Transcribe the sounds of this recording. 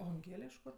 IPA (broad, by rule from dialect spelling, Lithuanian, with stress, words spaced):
oː ɐŋʲˈɡʲeːlʲɛ ɪʃ ˈkʊr